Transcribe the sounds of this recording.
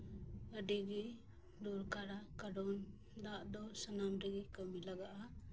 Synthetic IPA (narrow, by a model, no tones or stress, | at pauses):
əɖiɡi | d̪uɾkaɾakaɖɔn | d̪aʔd̪ɔsənamɾiɡikəmilaɡaʔa